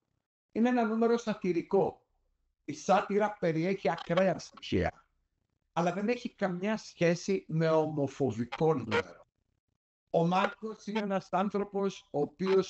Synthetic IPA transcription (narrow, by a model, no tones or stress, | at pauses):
ineenɐnume̞ɾo̞sɐt̪iɾiko̞ | isɐt̪iɾɐpe̞ɾie̞çiɐkɾe̞ɐsiçḭɐ̰ | ɐlɐðe̞ne̞çikɐmɲɐsçe̞sime̞omo̞fo̞viko̞nṵme̞̰ɾo̞ | omɐɾko̞sineenɐsɐnθɾo̞po̞soːpio̞s